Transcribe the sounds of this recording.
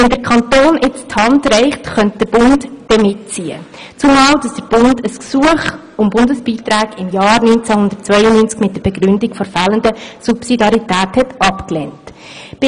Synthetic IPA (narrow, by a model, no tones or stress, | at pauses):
ʋɛndəɾkʰɑntoːnʔɪt͡sthɑndɾɛɪχtχœnt̚d̥əɾb̥ʊndd̥ɛmɪtt͡siə | t͡sumɑːld̥ɑsd̥əɾb̥ʊndəsksuəχ | ʊmbʊndəsb̥iːtɾæːɡɪmjɑːɾnynt͡sæhʊndəɾtt͡svœjənyːnt͡skmɪt̚d̥əɾb̥ɛɡɾʏndikɡ̥fɔɾfɑːləndəsupsidɑɾitæːthɛtɑpklɛnt | b̥